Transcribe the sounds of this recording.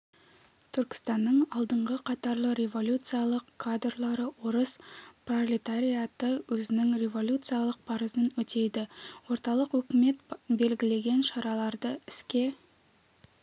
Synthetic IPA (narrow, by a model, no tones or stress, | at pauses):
t̪ʰʏɾkʲɪ̥st̪ɑnːəɴɑlˠd̪əɴʁəqʰɑt̪ɑɾlˠəɾʲe̞vo̞lʲut̪sɨjalˠəqkʰːad̪rlˠɑɾəwo̞ɾəspro̞lʲit̪aɾʲijat̪əwɵzɪnɪŋɾʲe̞vo̞lʲut̪sɨjalˠəq̚pʰɑɾəzənwɵt̪e̞jd̪ɪwo̞ɾt̪ɑlˠəqwɵkʲɪme̞t̪be̞lɡʲɪle̞ɡʲe̞nʃɑɾɑlˠɑɾd̪əɪskʲe̞